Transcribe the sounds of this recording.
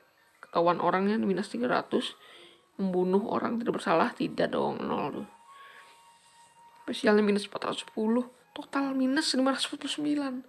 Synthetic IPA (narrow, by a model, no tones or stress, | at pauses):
kə̥k̪awanʔoɾaŋɲaminast̪iɡaɾa̰t̪ʊs | məmbunʊɦo̰ɾa̰ŋt̪idaʔbərsalaht̪idaʔdo̰ŋə̰nɔ̰ld̪ʊ | spesialɲaminət̪sə̥mpat̪rat̪ʊ̥sə̥pulʊh | t̪ot̪alminəsəlimaɾat̪ʊspat̪̚pulsəmbilan